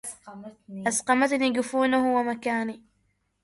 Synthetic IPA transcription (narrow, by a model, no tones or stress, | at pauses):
ʔasqɑmat̪niːɡɪfuːnahʊwamakaːni